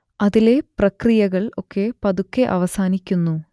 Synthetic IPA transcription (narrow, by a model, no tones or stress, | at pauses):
ɐðile̞prɐkrijɐɣɐɭo̞kːe̞pɐðukːeʔɐ̰ʋɐsaːnikʲːunːu